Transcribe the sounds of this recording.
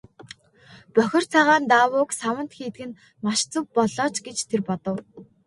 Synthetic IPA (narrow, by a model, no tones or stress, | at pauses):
pœxʲɪ̆r̥t͡sʰaʁaːnt̪aːwʊːksawə̆n̥t̪xiːt̪ɡɘ̆n | maʃt͡sə̆w̚pɔɮɔːt͡ɕɡet͡ɕt̪ʰerpɔt̪ə̆w